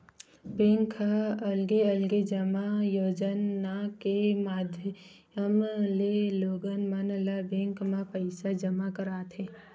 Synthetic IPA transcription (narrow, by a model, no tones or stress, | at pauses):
bẽŋkʰaɐlɡeəlɡed͡ʒəmajoːd͡ʒənakemaːd̪ʱjə | əmleloːɡənmanlabẽːŋkmãpəɪsad͡ʒəmakəɾaːt̪ʰɦẽː